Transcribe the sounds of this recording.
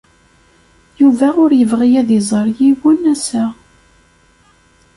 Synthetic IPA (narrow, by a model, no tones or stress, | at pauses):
juvæʊɾjəvʁijæðizˤəɾˤjiwʊnæsæ